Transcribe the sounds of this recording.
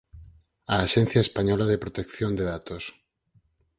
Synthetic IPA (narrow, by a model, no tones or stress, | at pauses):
aːʃen̟θjaespaɲɔlaðepɾot̪ekθjond̪eðat̪os